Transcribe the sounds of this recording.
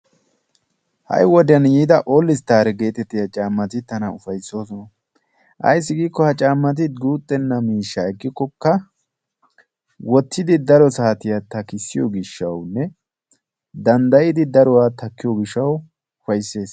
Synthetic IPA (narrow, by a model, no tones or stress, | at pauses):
hɐ̰jwɔd̪ɪɐnjiːd̪ɐʔoːlːɪst̪aːɾɛɡe̞ːt̪ɛt̪ːɪjɐt͡ʃʼaːmːɐt̪ɪt̪ːɐnɐʊfɐjso̞ːs̬ɔnɐ | ʔɐ̰js̬ːɪɡiːkːɔhɐt͡ʃʼaːmːɐt̪̬ɪt̪̚ɡuːt̪ʼːɛnːɐmiːʃːɐɛkːɪkːɔkːɐ | wɔt̪ʰːɪd̪ɪd̪ɐɾɔsaːt̪ɪjat̪ɐkːɪsːɪjɔ̰ɡɪʃːɐwnːɛ | d̪ɐnd̪ɐjɪd̪ɪd̪ɐɾɔwaːt̪ɐkːɪjɔɡɪʃːɐw | ʊfɐjsːe̞ːs